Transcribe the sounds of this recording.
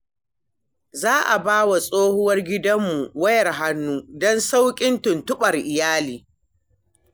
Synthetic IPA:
zaː˦ʔa˨baː˦wa˨sʼoː˦hʊ˦wɐ˦rɡʲɪ˦dɐ˦mːu˨wɐ˦jɐ˨rɦa˦nːuː˦dɔ˦nsa˦wkʲʼɪ˦ntʊ˨ntʊ˦ɓɐ˨rʔɪ˨jaː˦liː˨

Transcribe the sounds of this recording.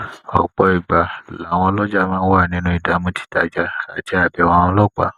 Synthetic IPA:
ɔ̰˨k͡pɔ˧i˨ɡ͡ba˨la˨˦w̃ɔ̃˧˦lɔ˦d͡ʒa˦˨mã˦wa˦˨nĩ˦nũ˧i˨da˧mũ˧˦tʰi̥˦˨ta˧d͡ʒa˦a̰˨d͡ʒɛ˧˦a˨bɛ˧˦w̃ã˧ɔ̃˧˦lɔ˦k͡pa̰˨˧

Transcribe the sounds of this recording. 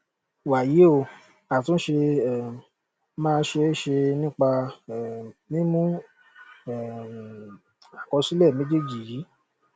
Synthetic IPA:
wa˨ji˨˦o˧˨ | a˨tũ˦ʃe˧˨ | mãː˦˧n˦ʃe˧˦ʃe˧nĩ˦k͡pa˧ɛ˨nĩ˦nũ˦ | ɛ˦˨ | a˨kɔ˧si˦lɛ˦˨me˨˦d͡ʒe˦d͡ʒi˨ji˨˦

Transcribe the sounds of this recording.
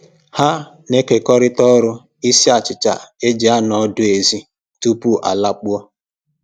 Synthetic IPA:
ha˦ | ne˦ke˨kɔ˦ɾɪ˦tɔ˦ɾʊ˦ | i˦si˦a˨t͡ʃɪ˨t͡ʃa̰˨e˦d͡ʒi˨a˦nɔ˦dʊ˦e˨zi˦ | tu˦pu˦ʔa̰˨la˦k͡pu˦ɔ˦

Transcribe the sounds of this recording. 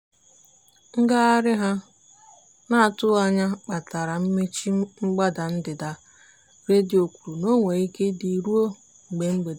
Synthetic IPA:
ŋ̩˦ɡa˦a˦ɾɪ˦ɦa˦ | na˦a˨tʊ˦a˦ɲa˦k͡pa˨ta˨ɾa˨m̩˦me˦t͡ʃi˦ŋ͡m̩˦ɡ͡ba˦da˨n̩˦dɪ˨da˨ | ɾe˦di˨o˨kʷu˨ɾu˨no˦ŋʷe˨i˦ke˦di˨ɾu˦o˦ | ŋ͡m̩˨ɡ͡be˨ŋ͡m̩˦ɡ͡be˨d

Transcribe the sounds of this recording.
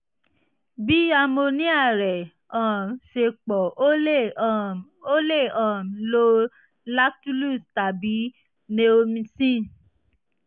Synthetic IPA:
bi˦a˧mo˧nĩ˦a˦˨ɾɛ˨ | ã˨ʃe˧k͡pɔ˨˦ | o˦le˦˨ã˨˦lo˦ | la˦k̚tu˦lu˦˨sta˨bi˨˦ | ne˦o˧mĩ˧sĩ˦˨

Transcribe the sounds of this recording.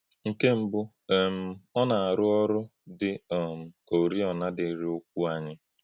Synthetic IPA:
ŋ̩˨ke˦m̩˦bʊ˦ | e˦˨m̩˦˨ɔ˦na˨a˨ɾʊ˦ɔ˦ɾʊ˦dɪ˨ɔ˨m̩˨ko˨ɾi˦ɔ˨na˦dɪ˨ɾɪ˦ʊ˦k̚ʷu˦a˦ɲɪ˦

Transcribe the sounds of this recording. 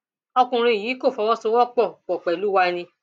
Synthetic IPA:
ɔ˧kũ˨ɾ̃ĩ˧i˨jiː˨˦ko˦˨fɔ˧w̃ɔ̃˦so˧wɔ˦k͡pɔ˦˨k͡pɔ˨k͡pɛ˨lu˦wa˦˧nĩ˧

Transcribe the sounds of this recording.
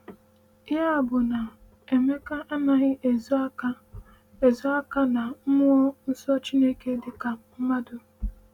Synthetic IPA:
a˦a˨bʊ˨na˨ | e˨me˦ka˦ʔa˦na˨ɣɪ˦ʔe˨za˦ | e˨zɔ˦a˦ka˦na˨m̩˦mʊ˦ɔ˦n̩˦sɔ˦t͡ʃi˦ne˦ke˦dɪ˨ka˨m̩˦ma˦dʊ˨

